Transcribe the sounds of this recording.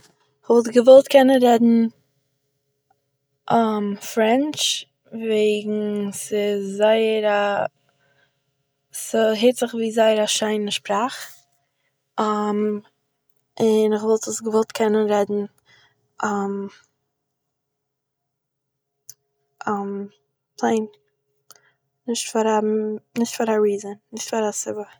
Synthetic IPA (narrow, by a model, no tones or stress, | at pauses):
ɪχvɔlˠtɡəvɔlˠtkʰɛnənɾɛdn̩ | ʔamfɾɛnt͡ʃ | veɪɡŋ̩sɪzaɪəɾa | sɦeɪtz̥ɪχviːzaɪəɾaʃaɪnəʃpɾaχ | am | ɪnɪχvɔlˠtəsɡəvɔlˠtkʰɛnənɾɛdn̩ | am | ʔam | pʰlˠeɪn | nɪʃtfaɾanɪʃtfaɾaɾiːzənnɪʃtfaɾasɪbə